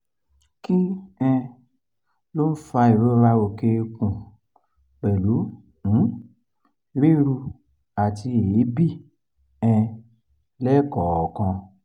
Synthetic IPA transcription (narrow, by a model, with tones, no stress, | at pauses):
ki˦ɛ̃˧ | lo˦n̩˦fa˧i˨ɾo˨˦ɾa˦wo˧˨ke˧kũ˨ | k͡pɛ˨lu˨˦ | ñ̩˨˦ | ɾi˦ɾu˧ | a˨ti˧e˨li˨˦bi˦˨ | ɛ̃˧ | lɛː˦˨kɔ˨ɔ˨kã˧